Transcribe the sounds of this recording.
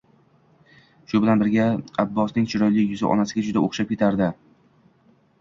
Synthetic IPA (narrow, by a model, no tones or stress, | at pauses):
ʃʊbɪlanbɪɾɡʲaabːɒsnɪŋt͡ʃʰɪɾɒjlɪkʲjʊzɪ̰ʔɒ̰nasɪɡʲad͡ʒʊd̪aʔoχʃap̚kʲe̞t̪ʰaɾd̪ɪ